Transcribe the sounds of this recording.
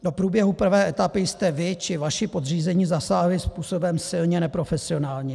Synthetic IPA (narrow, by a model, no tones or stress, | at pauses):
do̞pɾuːbjɛɦupr̩vɛːʔɛt̪apɪjst̪ɛvɪt͡ʃɪvaʃɪpo̞d̪r̝iːzɛɲiːzasaːɦlɪspuːso̞bɛmsɪlɲɛnɛpɾo̞fɛsɪo̞naːlɲɛ